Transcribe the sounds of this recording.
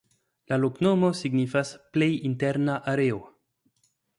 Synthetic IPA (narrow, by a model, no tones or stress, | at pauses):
laloknomo̞siɡnifasplejinteɾnaʔaɾeo